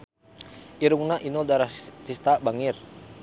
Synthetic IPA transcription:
ʔiɾuŋnaʔinɔdaɾahsist̪abaŋir

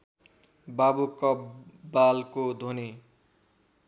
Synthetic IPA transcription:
babukʌbalkod̪ʱoni

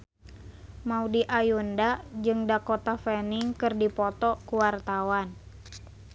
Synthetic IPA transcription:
maudiʔajundad͡ʒɨŋdakɔt̪afɛniŋkɨrdipɔt̪ɔkuwart̪awan

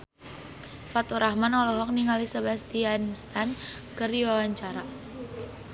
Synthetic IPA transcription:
fat̪uɾahmanɔlɔɦɔk̚niŋalisabɛst̪ianst̪ankɨrdiwawaɲt͡ʃaɾa

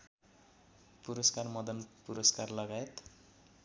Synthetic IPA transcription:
puɾʌskarmʌd̪ʌnpuɾʌskarlʌɡajet̪

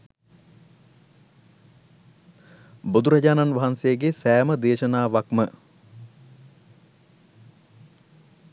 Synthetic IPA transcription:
bud̪uɾɐɟaːnanʋaɦansejəɡesæːməd̪eːʃɐnaːʋakmə

